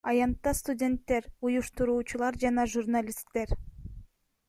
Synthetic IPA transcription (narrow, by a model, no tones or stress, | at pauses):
ɑjɑnt̪ːɑst̪udʲe̞nt̪ːe̞ɾujuʃt̪uɾuːt͡ʃulˠɑɾd͡ʒɑnɑʒurnalʲist̪ːe̞ɾ